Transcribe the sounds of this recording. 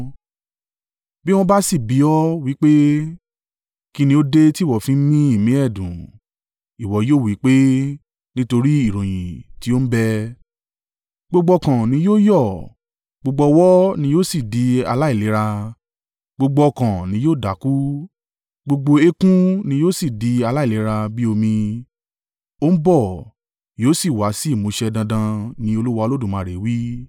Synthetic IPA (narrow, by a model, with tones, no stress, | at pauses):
bi˦w̃ɔ̃˧˦ba˦si˦˨bi˨˦ɔ˦wi˨˦k͡pe˦ | ki˧nĩ˧˦o˦de˦ti˦˨wɔ˨fĩ˨˦mĩ˦i˦˨mĩ˨˦ɛ˦˨dṵ̃˨ | i˨wɔ˨˦joː˦˨wi˨˦k͡pe˦ | nĩ˦to˧ɾi˦i˦˨ɾõ˨j̃ḭ̃˨ti˨˦o˦m̩˦bɛ˦ | ɡ͡bo˧ɡ͡bɔ˧kã˨nĩ˧˦joː˦jɔ˦˨ | ɡ͡bo˧ɡ͡bɔ˧wɔ˦nĩ˧˦joː˦si˦˨di˨˦a˧la˦i˦˨le˨˦ɾa˧ | ɡ͡bo˧ɡ͡bɔ˧kã˨nĩ˨˧˦joː˦˨da˨˦ku˦ | ɡ͡bo˧ɡ͡bo˧e˦kũ˦nĩ˧˦joː˦si˦˨di˨˦a˧la˦i˦˨le˨˦ɾa˧bi˦o˧mĩ˧ | o˦m̩˦bɔ˦˨ | joː˦si˦˨wa˨˦si˦˨mũ˨˦ʃɛ˧dã˧dã˧nĩ˧˦o˧lu˦wa˧o˧lo˦dũ˦˨mã˨ɾe˨˦wi˦